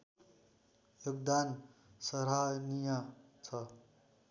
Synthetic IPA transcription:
joɡd̪ansʌɾɦajnijat͡sʰʌ

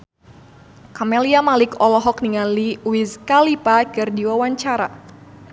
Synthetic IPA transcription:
kameliamalɪkɔlɔɦɔk̚niŋanliwizkalipakɨrdiwawaɲt͡ʃaɾa

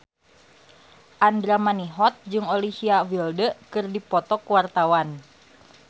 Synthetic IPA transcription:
ʔandɾamaniɦɔt̪̚d͡ʒɨŋɔlisiawildəkɨrdipɔt̪ɔkwart̪awan

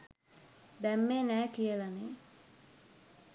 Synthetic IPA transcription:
b̪ɛmːenɛːkijəlane

